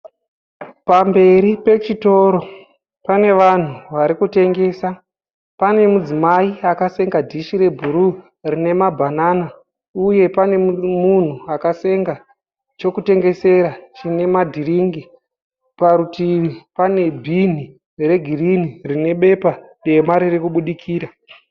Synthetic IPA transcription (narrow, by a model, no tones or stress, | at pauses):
pambe̞ɾipe̞t͡ʃito̞ɾo̞ | pane̞ʋan̤uʋaɾikute̞ŋɡe̞ːsa | pane̞mud͡zimaiakase̞ŋɡadʱiʃiɾe̞bʱuɾu | rine̞mabʱanana | uje̞pane̞mun̤uakase̞ŋɡa | t͡ʃo̞kute̞ŋɡe̞se̞ɾat͡ʃine̞madʱiɾiŋɡi | paɾutiʋipane̞bʱin̤i | re̞ɡʱirinirine̞ɓe̞paɗe̞maɾirikuɓuɗikʰiːɾa